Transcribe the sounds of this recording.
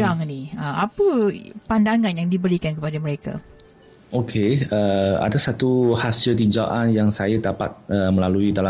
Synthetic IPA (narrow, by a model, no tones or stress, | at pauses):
aŋniəmapəpandaŋãnjaŋdibəɾikankəpadaməɾeka̰ | ʔokʰeəa̰dasat̪uhasilt̪iɲd͡ʒaʔanjaŋsajadapa̰t̪̚əməlaluidala